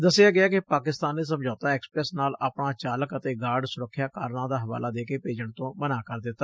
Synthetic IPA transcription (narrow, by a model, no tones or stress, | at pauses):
d̪əsɪaːɡɪaːkɪpaːkɪst̪aːnːeːs̬əmd͡ʒaːt̪ãːɛːkspɾɛːsnaːlaːpɳaːt͡ʃaːləkət̪eːɡaːɖsʊɾəkʰːjaːkaːɾnãːd̪aːɦəʋa̰ːlaːd̪eːkeːpeːd͡ʒəɳt̪õːmənaːkəɾd̪ɪt̪ːaː